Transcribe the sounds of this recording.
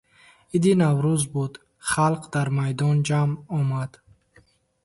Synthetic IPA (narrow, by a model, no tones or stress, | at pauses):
id̪inavɾuzbud̪ | χalqd̪aɾmajd̪ɔnd͡ʒamɔmad̪̥